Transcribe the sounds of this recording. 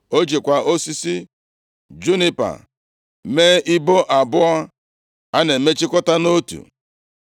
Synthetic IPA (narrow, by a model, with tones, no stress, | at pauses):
o˦d͡ʒe˨kʷa˨o˦si˦si˦ | d͡ʒu˦ni˦pa̰˨ | me˦i˦bo˦ʔa˨bʊ˦a˦ | a˦ne˨me˦t͡ʃi˦kɔ˦ta˦no˦tṵ˨